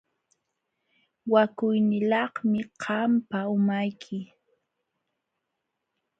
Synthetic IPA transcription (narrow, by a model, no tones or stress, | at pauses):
wakʊjnɪlɑhmɪqʰɑmpaʊmajkʰɪ